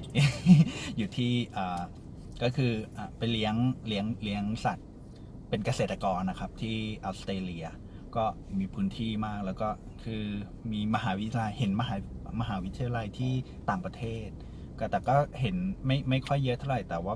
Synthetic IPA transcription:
juː˨˩t̪ʰiː˥˩ʔaː˨˩ | kɔː˥˩kʰɯː˧ʔaː˨˩pa˧jli˦˥əŋli˦˥əŋli˦˥əŋsa˨˩t̪̚ | pe˧nka˧se˨˩t̪ːa˧kɔː˧nːa˦˥kʰa˦˥p̚t̪ʰiː˥˩ʔa˦˥wst̪ɾeː˧li˧ɐ | kɔː˥˩miː˧pʰɯː˦˥nt̪ʰiː˥˩maː˥˩k̚lɛː˦˥wkɔː˥˩ | kʰɯː˧ | miː˧ma˧ɦaː˩˦wi˦t̪ʰla˧jhe˩˦nma˧ɦaː˩˦ma˧ɦaː˩˦wi˦˥t̪ʰːi˧ja˧la˧jt̪ʰiː˥˩ | t̪aː˨˩ŋpɾa˧t̪ʰeː˥˩t̪̚ | kɔː˥˩t̪ɛː˨˩kɔː˥˩he˩˦nma˥˩jma˥˩jkʰɔ˥˩jːɤ˦˥t̪ʰa˥˩wɾa˨˩jt̪ɛː˨˩waː˥˩

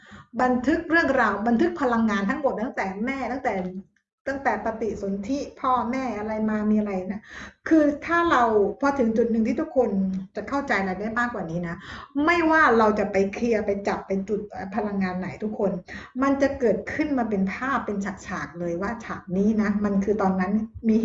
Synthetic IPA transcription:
ba˧nt̪ʰɯ˦˥k̚ɾɯ˥˩əŋɾaː˧wba˧nt̪ʰɯ˦˥k̚pʰa˧la˧ŋːaː˧nt̪ʰa˦˥ŋmo˨˩t̪̚t̪ʰa˦˥ŋt̪ɛː˨˩mɛː˥˩t̪a˥˩ŋt̪ɛː˨˩ | t̪a˥˩ŋt̪ɛː˨˩pa˧t̪i˨˩ʔso˩˦nt̪ʰi˦˥pʰɔː˥˩mɛː˥˩ʔa˧ɾa˧jmaː˧miː˧ʔa˧ɾa˧jna˦˥˩kʰɯː˧t̪ʰaː˥˩ɾa˧wpʰɔ˧t̪ʰɯ˨˩˦ŋt͡ɕu˨˩t̪̚nɯ˨˩ŋʰiː˥˩t̪u˦˥kʰːo˧nt͡ɕa˨˩kʰa˥˩wt͡ɕa˧jɾa˧jdaː˥˩jmaː˥˩kwaː˨˩niː˦˥na˦˥ma˥˩jwaː˥˩ɾa˧wt͡ɕa˨˩ʔpa˧jkʰli˧ɐpa˧jt͡ɕa˨˩pːa˧jt͡ɕu˨˩t̪̚ʔəː˨˩pʰa˧la˧ŋːaː˧nːa˨˩˦jt̪ʰu˦˥kʰːo˧nma˧nt͡ɕa˨˩ʔkɤː˨˩t̪̚kʰɯ˥˩nmaː˧pe˧npʰaː˥˩pːe˧nt͡ɕʰa˨˩k̚t͡ɕʰaː˨˩k̚lɤː˧jwaː˥˩t͡ɕʰaː˨˩k̚niː˦˥na˦˥ma˧nkʰɯː˧t̪ɔː˧nːa˦˥nmiː˧

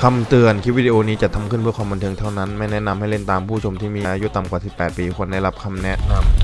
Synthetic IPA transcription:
kʰa˧mt̪ɯ˧ənkʰi˦˥wiː˥˧˩di˧ʔoː˧niː˦˥t͡ɕa˨˩t̪ʰa˧mkʰɯ˥˩npʰɯ˥˩əkwaː˧mba˧nt̪ʰɤː˧ŋt̪ʰa˥˩wna˦˥nma˥˩jnɛ˦˥ʔna˧mha˥˩jle˥˩nt̪aː˧mpʰuː˥˩t͡ɕʰo˧mt̪ʰiː˥˩miː˧ʔa˧ʔaː˧ju˦˥t̪a˨mkwaː˨˩si˨˩pːɛː˨˩t̪̚piː˧kʰu˧ənda˥˩jɾa˦˥p̚kʰa˧mnɛ˦˥ʔna˧m

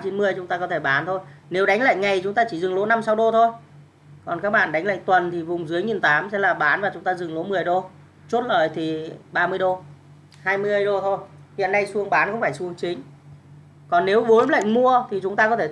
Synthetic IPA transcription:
t͡ɕi˨˦nmɨ˧əjt͡ɕʊ˨˦ŋ͡mt̪aː˧kɔ˨˦t̪ʰe˧˩ɓaː˨˦nt̪ʰo˧jne˨˦wɗa˨˦jŋla̰ː˧˨jŋa˨˩jt͡ɕʊ˨˦ŋ͡mt̪aː˧t͡ɕi˧˩zɨ˨˩ŋlo˨˦na˧msa˧wɗo˧t̪ʰo˧j | kɔ˨˩nkaː˦˥k̚ɓa̰ː˧˨nɗa˨˦ŋla̰ː˧˨t̪wə˨˩nt̪ʰi˨˩vʊ˨˩ŋ͡mzɨ˨˦əjŋi˨˩nt̪aː˨˦msɛ̰˧˥laː˨˩ɓaː˨˦nvaː˨˩t͡ɕʊ˨˦ŋ͡mt̪aː˧zɨ˨˩ŋlo˨˦mɨ˨˩əjɗo˧ | t͡ɕu˦˥t̚ləː˧˩jt̪ʰi˨˩ɓaː˧mɨ˧əjɗo˧ | haː˧jmɨ˧əjɗo˧t̪ʰo˧j | hḭ˧˨ənːa˧jsu˧əŋɓaː˨˦nkʊ˧˥ŋ͡mfaː˧˩jsu˧əŋt͡ɕï˨˦ŋ̟ | kɔ˨˩nːe˨˦wɓo˨˦nla̰ː˧˨ŋmu˧ət̪ʰi˨˩t͡ɕʊ˨˦ŋ͡mt̪aː˧kɔ˨˦t̪ʰe˧˩

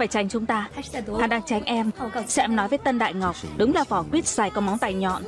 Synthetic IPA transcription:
faː˧˩jt͡ɕa˨˩jŋ̟t͡ɕʊ˨˦ŋ͡mt̪aː˧˩aː˨˩ɗaː˧ŋt͡ɕa˨˦jŋ̟ʔɛ˧m˧sɛ̰˧˥ɛ˧mnɔ˨˦jvəː˨˦t̪ə˧nɗa̰ː˧˨jŋa˨˩wk͡p̚ɗʊ˨˦ŋ͡mlaː˨˩fɔ˧˩kwi˦˥ət̚saː˨˧˩jkɔ˨˦ma˨˦wŋ͡mt̪a̰ː˧˨˩jɲɔ̰˧˨n

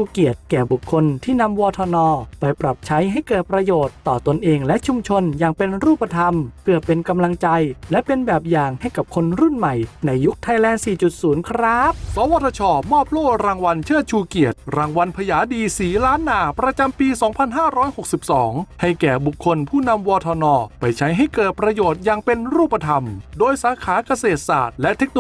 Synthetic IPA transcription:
t͡ɕʰuː˧ki˨˩ət̪̚kɛː˨˩bu˨˩kʰːo˧nt̪ʰiː˥˩na˧mwɔː˧t̪ʰɔː˧nɔː˧pa˧jpɾa˨˩p̚t͡ɕʰa˦˥jɦa˥˩jkɤː˨˩t̪̚pɾa˧joː˨˩t̪ːɔː˨˩t̪o˧nʔeː˧ŋlɛ˦˥ʔt͡ɕʰu˧mt͡ɕʰo˧njaː˨˩ŋpe˧nɾuː˥˩pːa˧t̪ʰa˧mpʰɯ˥˩əpe˧nka˧mla˧ŋt͡ɕa˧jlɛ˦˥ʔpe˧nbɛː˨˩p̚jaː˨˩ŋha˥˩jka˨˩p̚kʰo˧nɾu˥˩nma˨˩jna˧jːu˦˥k̚t̪ʰa˧jlɛː˧˩nsiː˨˩t͡ɕu˨˩t̪̚suː˩˦nkʰɾaː˦˥p̚sɔ˨˦wa˨˧˦t̪ʰːa˧t͡ɕʰɔː˧˩mɔː˥˩p̚ʰloː˥˩ɾaː˧ŋwa˧nt͡ɕʰɯː˥˩t͡ɕʰuː˧ki˨˩ət̪ɾaː˧ŋwa˧npʰa˧jaː˩˦diː˧siː˩˦laː˦˥nːaː˨˩pɾa˧t͡ɕa˧mpiː˧sɔː˩˦ŋpʰa˧nɦaː˥˩ɾɔː˦˥jho˨˩k̚si˨˩p̚sɔː˩˦ŋha˥˩jkɛː˨˩bu˨˩kʰːo˧npʰuː˥˩na˧mwɔː˧t̪ʰɔː˧nɔː˧pa˧jt͡ɕʰa˦˥jɦa˥˩jkɤː˨˩t̪̚pɾa˧joː˨˩t̪̚jaː˨˩ŋpe˧nɾuː˥˩pːa˧t̪ʰa˧mdoː˧jsaː˨˦kʰaː˩˦ka˧seː˨˩t̪̚sa̰ː˨˩t̪̚lɛ˦˥ʔt̪ʰe˦˥k̚no

